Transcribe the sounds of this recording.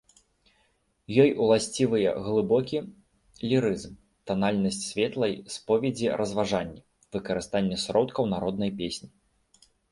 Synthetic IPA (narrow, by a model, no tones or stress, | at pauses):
jɔjulˠasʲt͡sʲivɨjɛ̰ɣlˠɨbɔkʲi | lʲiɾɨzm | t̪analʲnɐsʲt͡sʲsʲvʲɛt̪lˠɐjspɔvʲɛd͡zʲiɾɐzvaʐanʲːɛ | vɨkɐɾɨst̪anʲːɛsɾɔt̪kɐwn̪aɾɔd̪̚nɐjpʲesʲnʲi